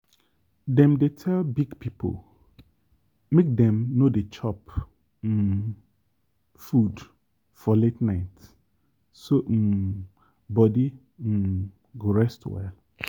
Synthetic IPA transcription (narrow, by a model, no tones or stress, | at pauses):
dɛ̃mdetʰɛlbiɡpʰipʰo̰l | mẽk̚dɛ̃mnõdet͡ʃʰɔp̩ː | fud | fɔletnaɪt | so | bɔdi | m̩ | ɡoɹɛstwɛ̰l